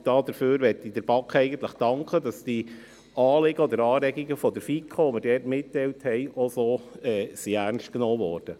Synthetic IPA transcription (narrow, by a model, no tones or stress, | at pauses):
d̥ɑːd̥̪əɾføːɾʋɛtːid̥əɾb̥ɑkχɛɪɡənt̪ləχd̥ɑŋkχədɑsd̥i | ɑːlɪɡəɔd̪əɾɑːɾɛɡiɡəfɔdəɾfikʰχoʋoməɾdɛːtmɪtːɛɪlthɛɪʔosoːɛːsiæɾnstknɔːvɔːɾd̥ə